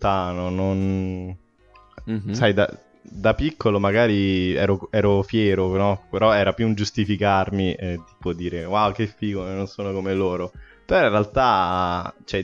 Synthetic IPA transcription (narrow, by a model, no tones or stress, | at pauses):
t̪aːnonon | sajd̪a̰ | d̪apikʰːolomaɡaːɾiɛ̰ːɾoɛːɾofjɛːɾonɔpeɾɔɛːɾapjuund͡ʒust̪ifikarmit̪i̥ːpod̪iːɾewawk̟efːiːɡononsoːnokomeloːɾopeɾɔĩrːealt̪a | t͡ʃɛ